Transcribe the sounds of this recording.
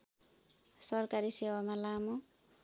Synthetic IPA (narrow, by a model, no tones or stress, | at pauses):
sʌrkaɾisewamalamo